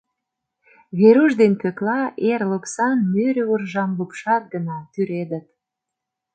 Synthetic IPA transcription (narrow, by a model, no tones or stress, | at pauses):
βeɾuʒd̪enpøklɑerluksɑnmøɾʲurʒɑmlupʃɑt̪̚ɡənɑt̪yɾed̪ət̪̚